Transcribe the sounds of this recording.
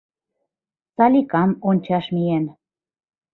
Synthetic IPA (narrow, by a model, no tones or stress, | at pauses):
sɑlʲikɑmonʲt͡ɕɑʃmijen